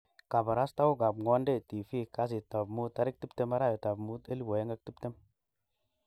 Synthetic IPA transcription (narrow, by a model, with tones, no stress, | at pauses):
ka˨ba˨ɾa˦st̪a˦wu˦ɡa˨bŋo˦nde˦˨ti˨fi˦ka˦s̬i˨ta˨bmu˦t̪ːa˧ɾi˦k̚ti˦pte˦ma˦ɾa˦˨je˨ta˨bmu˦t̪e˦li˦wo˨je˦ŋɡa˦k̚ti˦pte˦m